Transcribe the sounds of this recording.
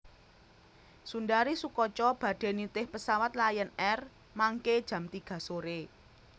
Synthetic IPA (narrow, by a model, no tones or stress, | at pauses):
sundaɾisukɔt͡ʃɔb̥ä̤d̥e̤nit̪ɪhpəsawat̪̚lajənɛr | maŋked̥ʒ̥ä̤mt̪iɡ̥ä̤soɾe